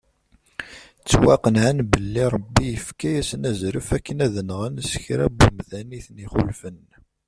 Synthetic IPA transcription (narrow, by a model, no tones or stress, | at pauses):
t͡sːwæqənʕanbəlːiɾˤəbːijəfkæjæsənæzɾufækːənæðənʁənsçɾæ̰bːumðæniθniχʊ̰lfən